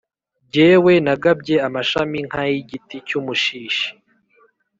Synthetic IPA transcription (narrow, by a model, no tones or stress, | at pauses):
bɟeːwe̞naɡab̚ɟe̞amaʃamiŋhajiɟiticumuʃiːʃi̥